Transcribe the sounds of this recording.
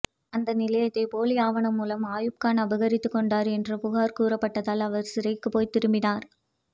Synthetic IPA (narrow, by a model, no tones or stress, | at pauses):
ɐnd̪ɐnɪlɐjɐt̪ːɐɪpoːlɪjaːʋɐɳɐmːuːlɐmaːjɯp̚kaːnɐbɐɣɐɾɪt̪ːɯkːɔɳɖaːɾɛndrɐpʊɣaːɾkuːɾɐpːɐʈːɐðaːlɐʋɐɾsɪɾɐɪkːɯpoːjt̪ɪɾɯmbɪnaːɾ